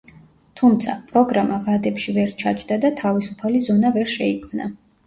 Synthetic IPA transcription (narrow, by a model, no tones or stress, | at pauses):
t̪ʰumt̪sʰa̰pʼɾɔɡɾamaʁad̪ɛpʃivɛɾt͡ʃʰat͡ʃʰd̪ad̪at̪ʰavisupʰalizɔnavɛɾʃɛikʰmna̰